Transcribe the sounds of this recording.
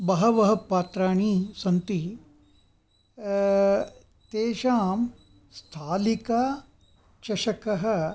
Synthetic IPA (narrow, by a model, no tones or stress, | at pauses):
bɐɦɐʋɐɦɐpːaːt̪ɾaːɳ̃isɐnt̪i | t̪eːʃaːm | st̪ʰaːlika | t͡ʃɐʃɐkɐɦɐ̆